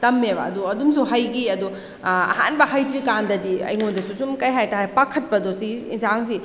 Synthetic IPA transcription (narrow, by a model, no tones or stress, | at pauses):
tɐmːebɐ̰ɐduɐdumsuɦɐjɡiɐdu | ɐ̰ha̰nbɐhajtɾikandɐdiɐ̰jŋondɐsusumkɐjɦajtaɦajpakʰɐt̚pɐdosiḭnzaŋsi